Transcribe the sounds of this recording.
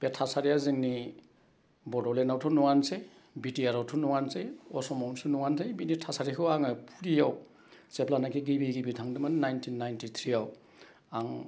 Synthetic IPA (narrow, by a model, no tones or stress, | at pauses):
b̥etʰasaɾijaziŋni | bɔdɔlenawtʰunuŋanse | bitiaɾawtʰunuŋanseɔsɔmawnsunuŋansʰejbinitʰasaɾikʰɯwaŋɯpʰuɾijaw | seplanakʰiɡibiɡibitʰaŋdɯmannajntʰinːajntʰit̪ʰɾiaw | aŋ